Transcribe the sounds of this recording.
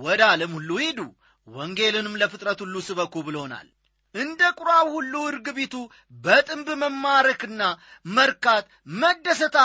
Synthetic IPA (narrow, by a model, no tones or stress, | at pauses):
wɔd̪aləmhulːuhid̪u | wɔŋɡe̞lɨnɨmləfɨt̪ʼɾət̪hulːusɨβəkːubɨləhona̰l | ʔɨnd̪əkʼʊɾawhulːuɨɾɡɨβet̪u | bət̪ʼɨmbɨməmːaɾəkɨnːa | məɾkat̪ | məd̪ːəsət̪ʰa